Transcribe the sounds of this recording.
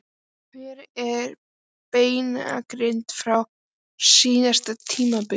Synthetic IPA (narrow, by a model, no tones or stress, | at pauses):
mɛɾɛɾ | peːjna̰kɾɪnt̪fɾaw | siːnast̪at̪ʰiːmapɪ